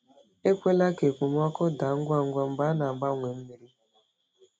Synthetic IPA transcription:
e˦kʷe˦la˦ke˨kʷu˨m˦ɔ˦kʊ˦da˨ŋ̩˦ɡʷa˦ŋ̩˦ɡʷa˦m̩˦ɡ͡ba˦na˨ɡ͡ba˦˨ŋʷe˨m̩˦me˨ɾi˦

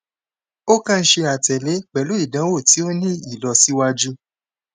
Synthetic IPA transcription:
o˦kã˦˧˦ʃe˧a˨tɛ˨le˨˦k͡pɛ˨lu˨˦i˦˨dã˨˦wo˦˨ti˨˦o˦nĩ˦i˦˨lɔ˧si˦wa˧d͡ʒu˦

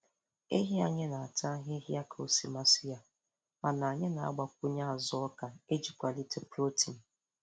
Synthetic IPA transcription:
e˦ɦi˦a˨ɲe˦na˨a˨tʰa˦ɦe˦ɦi˦a˦kʰa˨o˦˨si˨ma˦sɪ˦ja˨ | ma˨na˨ɲe˦na˨a̰˦ɡ͡ba˨k̚ʷu˦ɲa˦a˨zɔ˦ɔ˦ka˨e˦d͡ʒi˨kʷa˨li˦te˦plo˦tʰi˨n̩˨

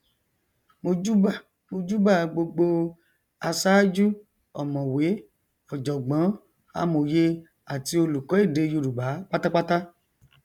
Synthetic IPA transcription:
mo˧d͡ʒu˦ba˦˨ | mo˧d͡ʒu˦ba˦˨ɡ͡bo˧ɡ͡bo˧ | a˧sa˦d͡ʒu˦ | ɔ̰˨mɔ̃˨we˨˦ | ɔ˨d͡ʒɔ˨ɡ͡bã˨˦ | a̰˧mo˨je˧ | a˨ti˧o˧lu˨kɔ˨˦i˦˨de˨˧˦ju˧˨ɾu˨ba˨˦k͡pa˦ta˦k͡pa˦ta˦

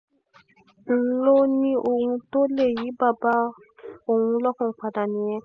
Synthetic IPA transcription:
n̩˨lo˦nĩ˦ʔo˨ŋũ˧to˦le˦˨ji˨˦ba˦˨ba˧˦ | o˨wũ˧lɔ˦kɔ̃˨k͡pa˨da˨nĩ˨˦jɛ̃˦

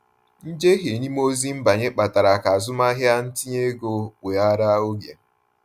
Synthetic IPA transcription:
n̩˦d͡ʒe˦ɦe˨ni˦m˦o˦zi˦m̩˦ba˨ɲe˦k͡pa˨ta˨ɾa˨ka˨a˨zʊ˦ma˦ɦja˦n̩˦ti˦ɲe˦ɡo˦we˨a˦ɾa˦o˦ɡja˨

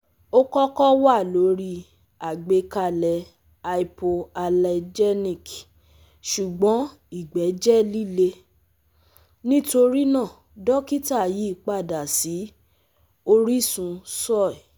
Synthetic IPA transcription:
o˦kɔ˦kɔ˦wa˦˨lo˨˦ɾi˧ | a˨ɡ͡be˨˧˦ka˧˨lɛ˧ | a˧i˧po˧a˧lɛ˧d͡ʒɛ˦nĩ˨k | ʃu˨ɡ͡bɔ̃˨˦ | i˨ɡ͡bɛ˨˦d͡ʒɛ˦li˦le˧ | nĩ˦to˧ɾi˦nã˦˨ | dɔ˦ki˦ta˦˨ji˨˦˨k͡pa˦˨da˨si˨˦ | o˦ɾi˦sũ˧sɔ˦˨ɛ˨

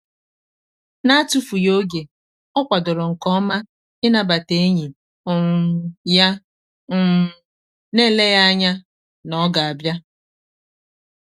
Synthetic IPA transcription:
na˦tu˦fu˨jo˦ɡe˨ | ɔ˦kʷa˨dʊ˨ɾʊ˨ŋ̩˨kɔ˦ma˦ | ɪ˦na˨ba˨te˦e˦ɲi˨ | ɔ˨ŋ˨ja˦˨˦ | ne˦˨le˦ja˦ɲa˦ | nɔ˨˦ɡa˨a˨bja˦

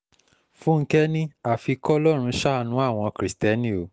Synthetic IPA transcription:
fũ˦ŋ̩˦kɛ˦nĩ˦a˨fi˧kɔ˦lɔ˦˨ɾ̃ũ˧˦ʃa˦nũ˨˦a˦˨w̃ɔ̃˧kɾi˨stɛ˨˦nĩ˦o˨˦

